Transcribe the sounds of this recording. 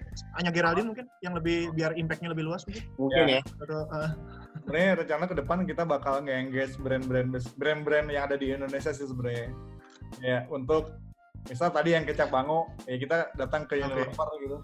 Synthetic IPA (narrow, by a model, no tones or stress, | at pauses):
aɲaɡiɾalimuŋkɪnjaŋləbɪhbiarimpɛk̚ɲaləbɪluasmuŋkɪnmuŋjɪnjaat̪oə | səbəɾaɲaɾəɲt͡ʃanakədəpankit̪abakalŋɡaiŋɡɛsbɾɛnbɾɛnbəsbɾɛnbɾɛnjaŋadadiːndonesias̬is̬əbəɾaɲa | jaunt̪ʊk̚ | mis̬alt̪adijaŋkət͡ʃak̚baŋojak̬it̪adat̪aŋkəinonapərɡit̪u